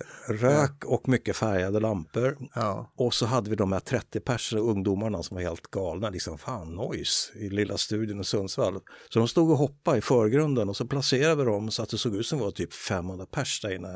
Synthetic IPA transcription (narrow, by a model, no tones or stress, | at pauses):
ɾøːkɔkmʏkːəfæɾjad̪əlampəɾɔsɔɦad̪ːəvɪd̪ɔmhæʈ̪ʰɾɛt̪ːɪpʰæʂənɔɵŋd̪uːmaɳasɔmvaɾheːlt̪ɡɑːlnalɪksɔmfaːnːɔjsɪlɪlːast̪ʉ̟ːd̪jənɔsɵnsvalsɔd̪ɔmst̪uːɡɔɦɔpːaɪfœːɾɡɾɵnd̪ənɔsɔpʰlaseːɾad̪əvɪd̪ɔmsɔat̪̚d̪ɛsoːɡʉ̟ːt̪sɔmvat̪ʰyːpfɛmːɵnd̪ɾapʰæʂd̥aɾɪnːa